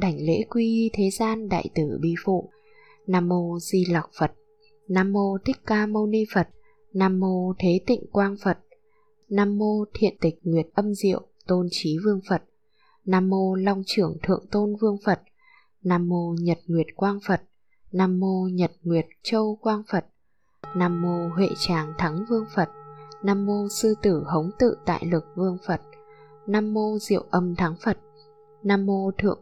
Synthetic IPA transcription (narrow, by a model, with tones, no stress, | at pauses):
ɗa˧˩jŋ̟lḛ˧˥kwi˧ʔi˧t̪ʰe˨˦zaː˧nɗa̰ː˧˨jt̪ɨ˧˩ɓḭ˧˨fṵ˧˨ | naː˧mːo˧zi˧la˨˩wk͡p̚fə˨˩t̚ | naː˧mːo˧t̪ʰï˦˥k̟̚kaː˧mo˧wni˧fə˨˩t̚ | naː˧mːo˧t̪ʰe˨˦t̪ḭ˧˨ŋ̟kwaː˧ŋfə˨˩t̚ | naː˧mːo˧t̪ʰḭ˧˨ənt̪ï˨˩k̟̚ŋwi˨˩ət̚ʔə˧mzḭ˧˨əwt̪o˧nt͡ɕi˨˦vɨ˧əŋfə˨˩t̚ | naː˧mːo˧la˧wŋ͡mt͡ɕɨ˧˩əŋt̪ʰɨ̰˧˨əŋt̪o˧nvɨ˧əŋfə˨˩t̚ | naː˧mːo˧ɲə˨˩t̚ŋwi˨˩ət̚kwaː˧ŋfə˨˩t̚ | naː˧mːo˧ɲə˨˩t̚ŋwi˨˩ət̚t͡ɕə˧wkwaː˧ŋfə˨˩t̚ | naː˧mːo˧ɦwḛ˧˨t͡ɕaː˨˩ŋt̪ʰa˨˦ŋvɨ˧əŋfə˨˩t̚naː˧mːo˧sɨ˧t̪ɨ˧˩hə˨˦wŋ͡mt̪ɨ̰˧˨t̪a̰ː˧˨jlɨ˨˩k̚vɨ˧əŋfə˨˩t̚ | naː˧mːo˧zḭ˧˨əwʔə˧mt̪ʰa˨˦ŋfə˨˩t̚ | naː˧mːo˧t̪ʰɨ̰˧˨əŋ